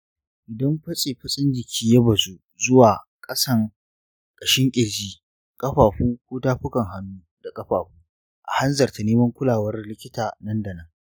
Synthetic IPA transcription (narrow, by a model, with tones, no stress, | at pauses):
ʔɪ˨dɐ˦mɸɐ˦sʼeː˨ɸɐ˦sʼɪ˦nd͡ʒɪ˨kʲʰiː˦jɐ˦bɐ˨zu˦ | zʊ˦waː˨ | kʼɐ˦sɐ˦˨ŋ | kʼɐ˨ʃɪ˦ŋkʲʼɪ˨ɽd͡ʒiː˦ | kʼɐ˦ɸaː˨ɸuː˦kʷoː˦taː˦ɸʊ˦kɐ˨ŋɦa˦nːuː˦ | da˨kʼɐ˦ɸaː˨ɸuː˦ | ʔa̰˨ha˦nzɐ˨rta˨neː˦mɐ˦ŋkʷʊ˦laː˨wɐ˦rlɪ˦kʲɪ˦taː˨nɐ˦ndɐ˨nɐ˦ŋ